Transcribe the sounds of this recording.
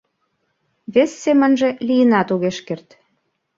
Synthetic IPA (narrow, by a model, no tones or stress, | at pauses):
βesːemə̆nʒĕlijənɑt̪uɣeʃkert̪